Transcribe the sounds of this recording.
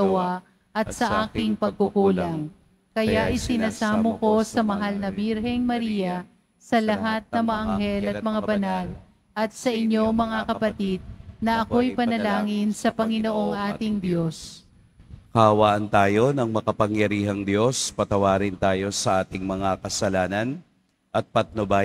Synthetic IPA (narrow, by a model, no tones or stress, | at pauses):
ɐwa | ʔɐt̪̚sɐʔaːkɪŋpɐɡ̚kʊɡuːlɐŋ | kɐjaʔɪsɪnaːsaːmoko̞sɐmɐɦalnɐbiɾɦɛŋmɐɾiːjɐ | sɐlɐɦat̪̚nɐŋmɐaʔɐŋɦɛlɐt̪̚mɐŋabɐnal | ʔɐt̪̚sɐʔɪɲːo̞mɐŋakɐpɐt̪id̪̚nɐʔɐko̞jpɐnɐlaːŋɪnsɐpɐŋɪnoʔo̞ŋʔaːt̪ɪŋd̪jo̞s | kɐɐwaːʔɐnt̪aːjo̞nɐŋmɐkɐpɐŋjɐɾiːɦɐŋd̪jo̞spɐt̪ɐwaːɾɪnt̪aːjo̞sɐʔaːt̪ɪŋmɐŋakɐsɐlaːnɐn | ʔɐt̪̚pɐt̪̚noba